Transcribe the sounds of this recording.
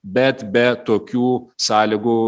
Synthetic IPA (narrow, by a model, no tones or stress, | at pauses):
bʲɛt̪bʲɛt̪oːkʲuːsɑːlʲɪɡʊ